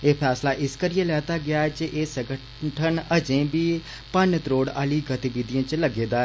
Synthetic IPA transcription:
eːpʰɛːslaːʔɪskəɾijelɛːt̪aːɡɪaːɛːt͡ʃeʔeːsə̃ɡə | ʈʰənəd͡ʒẽːbiː | pənt̪ɾoːɽaːliːɡət̪iʋɪd̪ijãːt͡ʃləɡeːd̪aːɛ

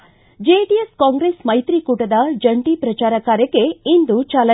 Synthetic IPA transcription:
d͡ʒeʈieskaːŋɡɾeːsmɐjt̪ɾikuːʈɐd̪ɐd͡ʒɐɳʈipɾɐt͡ʃaːɾɐkaːɾjɐke̞ind̪ut͡ʃaːlɐ

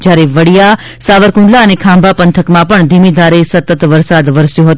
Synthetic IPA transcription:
d͡ʒjaɾeʋəɽija | saʋəɾkũɳɖlaənekʰãmbʱapənt̪ʰəkmãpəɳd̪ʱimid̪ʱaɾesət̪ət̪ʋəɾsad̪ʋəɾsjoɦət̪

